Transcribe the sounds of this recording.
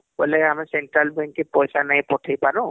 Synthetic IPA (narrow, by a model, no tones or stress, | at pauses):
bɔlɛamisɛnʈɹalbɛŋkipɔjsanaɦjpɔtʰijpaɹʊ̃